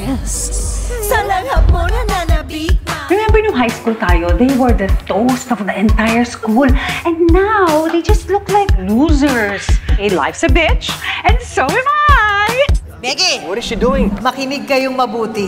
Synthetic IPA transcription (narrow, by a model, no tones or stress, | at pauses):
jɛssɐlɐɡɐponɐnanɐbiɡ̚ɹɛmɛ̃mbɛɹjʊŋɦajskult̪aːjod̪ejwɛɹd̪ɐt̪ost̪ɔvd̪əʔɛ̃nt̪ajəɹskulʔɛ̃nd̪nawd̪ejd͡ʒɐst̪lʊklajkluzɛɹsɪt̪la̰jvsɐbɪt͡ʃʔɛ̃nsowɪmaj | mɛɡɛwɔɾɪsid̪uɪ̃ŋmɐkɪnɪɡ̚kɐjoŋmɐbuːt̪ɪ